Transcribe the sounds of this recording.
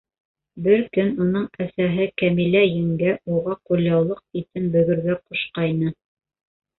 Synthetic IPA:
bɘɾkɵnunɤɴæsæɦɘkæmilæjɘ̆ŋɡæuʁɑqulʲjɑwlˠɤq̚it̪ɘnbɵ̆ɡɵ̆ɾɡæquʃqɑjnɤ

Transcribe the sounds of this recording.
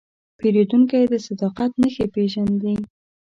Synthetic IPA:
peɾed̪uŋkajd̪əsad̪ɑqat̪nəxepeʒand̪i

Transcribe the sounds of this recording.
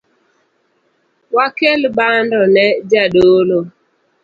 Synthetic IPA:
wakelbandɔnɛd͡ʒadolo

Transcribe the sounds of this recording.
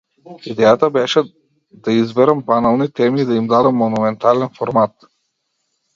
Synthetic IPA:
id̪ɛjat̪abɛʃɛ | d̪aizbɛɾambanalˠnit̪ɛmiːd̪aimd̪ad̪amːɔnumɛnt̪alɛnfɔɾmat̪

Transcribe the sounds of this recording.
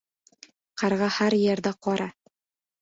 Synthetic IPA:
qæɾʁɑhæɾjɘ̆ɾd̪æqɒɾɑ

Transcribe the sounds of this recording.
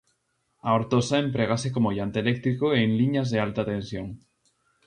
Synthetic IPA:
aoɾt̪osaempɾeɣ̞asekomoʎant̪eelek̚t̪ɾikoeŋliɲazðealt̪at̪ẽnsjoŋ

